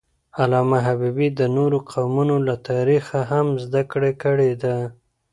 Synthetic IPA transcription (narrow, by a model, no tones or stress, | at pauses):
alɑmaɦabibid̪ənoɾoqʰawmunolat̪ɑɾixaɦamzd̪akɽekəɽed̪a